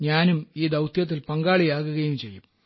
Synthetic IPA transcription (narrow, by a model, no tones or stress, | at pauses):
ɲaːnumiːd̪ɐwt̪ʰjɐt̪̬ːilpɐŋɡaːɭijaːɣuɣɐjumt͡ɕe̞jːum